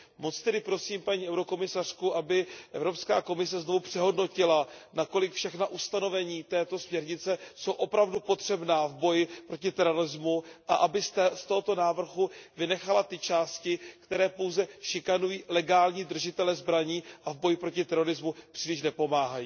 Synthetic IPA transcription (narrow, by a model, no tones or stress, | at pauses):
mot͡st̪ɛdɪpɾo̞siːmpaɲiːɛwɾo̞ko̞mɪsar̝̥kuʔabɪʔɛvɾo̞pskaːko̞mɪsɛzno̞vupr̥ɛɦo̞dno̞cɪlanako̞lɪkfʃɛxnaʔust̪ano̞vɛɲiːt̪ɛːt̪o̞smɲɛɾɲɪt͡sɛso̞wʔo̞pɾavdupo̞t̪r̥ɛbnaːvbo̞jɪpɾo̞cɪt̪ɛɾo̞ɾɪzmuʔaʔabɪst̪oɦo̞t̪o̞naːvr̩ɦuvɪnɛxalat̪ɪt͡ʃaːscɪkt̪ɛɾɛːpo̞wzɛʃɪkanujiːlɛɡaːlɲiːd̪r̩ʒɪt̪ɛlɛzbɾaɲiːʔavbo̞jɪpɾo̞cɪt̪ɛɾo̞ɾɪzmupr̥iːlɪʃ̬nɛpo̞maːɦajiː